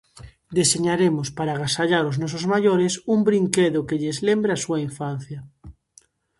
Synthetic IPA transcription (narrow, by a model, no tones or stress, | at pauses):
d̪eseɲaɾemospaɾaɣ̞asaʎaɾoznɔsozmaʎoɾesumbɾiŋkeðokeʎezlembɾeasuaiɱfan̟θjɐ